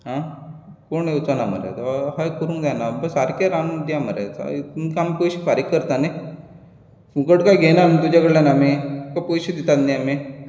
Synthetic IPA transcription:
ɦã | koɳewt͡sanamə̰ɾa̰t̪aɦajkəɾũːnd̪anabəsaɾkaɾand̪jaməɾa̰t͡smkamipojɕifaɾikːəɾt̪ane | fũkəʈkajɡʱenamit̪ud͡ʑaɡəɽljanamikapojɕid̪it̪at̪naami

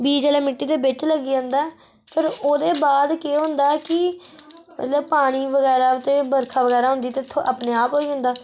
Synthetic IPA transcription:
biːd͡ʒəːlaːmɪʈːiːd̪eːbɪt͡ʃləɡiːd͡ʒãːnd̪aːɛː | pʰɪɾoːd̪eːbaːd̪keːɦʊ̃ːnd̪aːɛkɪ | mə̰t̪ləbpaːɽ̃iːʋəɡɛːɾaːt̪eːbəɾkʰaːʋəɡɛːɾaːɦʊ̃nd̪iːt̪et̪ʰoːʔaːpneːaːpɦoːid͡ʒãːnd̪aː

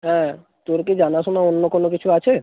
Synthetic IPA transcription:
ɦɛ̃ | t̪oɾked͡ʑanaʃonaonːokonokit͡ɕʰuat͡ɕʰe

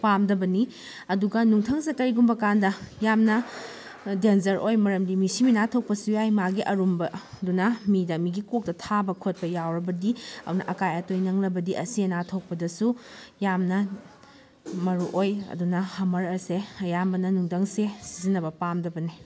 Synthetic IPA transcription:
pamdɐbɐni | ɐduɡɐnuŋtʰɐŋsekɐɾiɡumbɐkandɐjamnɐ | denzɐɾojmɐɾɐmdimisiminatʰowk̚pɐsujajmaɡiʔɐɾumbɐdunɐmidɐmiɡikok̚tɐtʰabɐkʰot̚pɐjawɾɐbɐdiɐ̰dunɐ̰ʔɐkajɐtojnɐŋlɐbɐdiʔɐsienatʰowk̚pɐdɐsujamnɐ | mɐɾuʔojɐ̰dunɐhɐmɐɾɐseɐjambɐnɐnuŋtʰɐŋsesi̥zinːɐbɐpamdɐbɐni

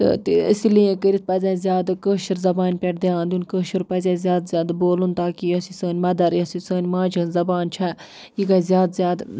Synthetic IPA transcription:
t̪ɨ̰t̪iə̰silijẽkəɾit̪̚pɐzʲaːzʲjaːd̪kəːʃɐɾzɐbaːnʲpʲɛʈd̪iãːnd̪ʲunʲkəːʃɨɾpɐzʲaːzʲjaːd̪zʲaːd̪boːlunt̪aːkijɐsisəːnʲmɐd̪ɐɾjɐsisəːnʲmaːd͡ʒɐnzɐbaːnt͡ʃʰa | jiɡɐzʲjaːd̪zʲjaːd̪

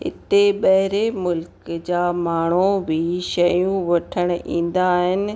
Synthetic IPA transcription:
ɦɪ̰t̪eɓɐɦɪɾemʊlkd͡ʑaːmaːɳ̤obʱiʃɐjũʋɐʈʰəɽ̃ḭ̃ːn̆d̪aːɦɪnɪ̆

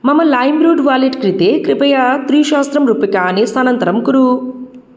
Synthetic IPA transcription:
mɐmːɐlaːjmbɾuːɖʋaːliʈkɾit̪eːkɾipɐjɐt̪ɾiːʃaːst̪ɾɐmɾupikɐːneːsanɐnt̪ɐɾɐmkuɾu

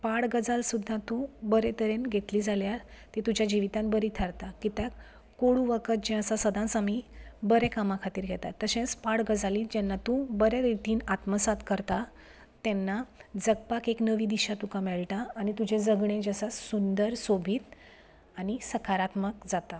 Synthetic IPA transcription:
paɽɡəd͡zalsud̪ʱːat̪ũbəɾet̪əɾenɡʱet̪liːd͡zaljat̪it̪ud͡ʑjad͡ʑiʋit̪ãnbəɾit̪ʰəɾt̪akit̪ja | koɽuʋəkʰət̪̚d͡ʑẽəsasəd̪ʱãsamibəɾɛkamãkʰat̪iːɾɡʱɛt̪at̪ːəɕẽt͡spaɽɡəd͡zaliːd͡ʑɛnːat̪ũbəɾeɾit̪iːnat̪məsat̪kəɾt̪a | t̪ɛnːad͡zəɡ̚pakeknəʋiːd̪iɕat̪ukamɛɭʈaːñit̪ud͡ʑed͡zəɡɳẽd͡ʑəsasund̪əɾsobʱiːt̪ | anisəkʰaɾat̪məkd͡zat̪a

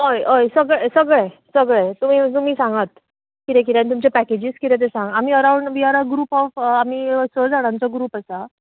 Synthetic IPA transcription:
ɦojojsəɡɭesəɡɭesəɡɭet̪um̤iːt̪um̤iːsãŋɡat̪ | kit̪ẽk̬it̪jãnit̪umt͡ɕepæked͡ʑiːskit̪ẽt̪̬esãŋɡam̤iːəɾauɳɖʋiaɾaɡɾuːpɔfam̤iːsəd͡zaɽ̃ãɲt͡ɕaɡɾuːpasa

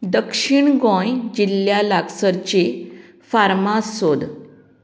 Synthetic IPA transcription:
d̪əkʂiɳɡɔ̃jd͡ʑilːjalaɡsəɾt͡ɕe | faɾmasod̪

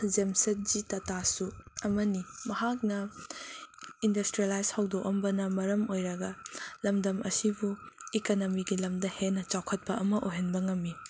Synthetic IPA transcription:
zemsɐt̚d͡ʒitɐtasuɐmɐnimɐɦak̚nɐ | indɐstɾielajshawdokɐmbɐnɐmɐɾɐmojɾɐɡɐlɐmdɐmɐ̰sibuikonomiɡilɐmdɐhenːɐt͡ʃawkʰɐt̚pɐʔɐmɐʔoɦenbɐŋɐmːi

